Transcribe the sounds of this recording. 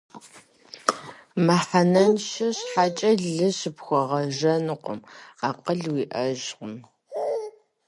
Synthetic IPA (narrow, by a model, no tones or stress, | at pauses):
mɐħanɐnʃɐɕħaːt͡ʃʼɐɮɨɕɪpxʷɔʁɐʒɐnɨqʷʊ̰maːqəɮwiːʔɐʒqʊm